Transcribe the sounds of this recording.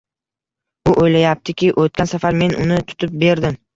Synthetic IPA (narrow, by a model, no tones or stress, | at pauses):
ʊʔojlajap̚t̪ʰɪkʲɪʔot̪̚kʲansafaɾme̞nʊnɪt̪ʰʊ̥t̪ʰɪp̚be̞ɾd̪ɪm